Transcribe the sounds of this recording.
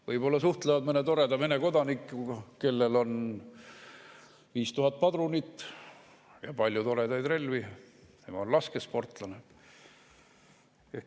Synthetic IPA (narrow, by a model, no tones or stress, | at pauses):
vɤjbo̞lːɑsuht̪levɑd̪mɤnet̪o̞ɾe̞d̪ɑmene̞ko̞d̪ɑnikːˑuɡ̥ɑke̞lːe̞lo̞n | viːst̪uɦɑt̪̚ːˑpɑd̪ɾunit̪ˑː | jɑ̰pɑlʲjut̪o̞ɾe̞d̪ɑjd̪re̞lʲvine̞mɑonlɑskespo̞rt̪ˑlɑne | e